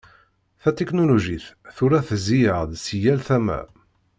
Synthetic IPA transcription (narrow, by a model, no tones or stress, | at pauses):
θæt̪eknoluʒiθθuɾæθzijəʁd̪sijælθæmæ̰